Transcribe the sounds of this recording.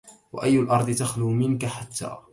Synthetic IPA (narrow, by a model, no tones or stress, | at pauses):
wa̰ʔajːʊlʔɑɾˤd̪ˤt̪axluːmɪnkaħat̪ːa̰ː